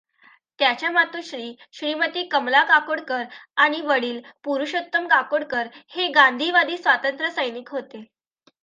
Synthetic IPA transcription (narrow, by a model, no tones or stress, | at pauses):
t̪jat͡ɕjamat̪uːɕɾiː | ɕɾimət̪iːkəmlakakoɽkəɾaɽ̃iʋəɽiːlpuɾuɕət̪ːəmkakoɽkəɾheɡand̪ʱiʋad̪iːsʋat̪ənt̪ɾəsəjnikɦot̪e